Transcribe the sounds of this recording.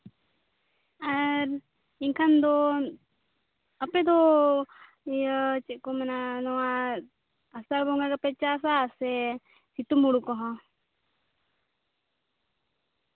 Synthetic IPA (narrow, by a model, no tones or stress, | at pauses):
aɾ | iŋkʰand̪ɔ | əpɛd̪ɔ | t͡ʃɛʔ̚kɔmɛnanɔwa | asaɾbɔŋɡakapɛt͡ʃasasɛ | sit̪umuɽukɔɦɔ̃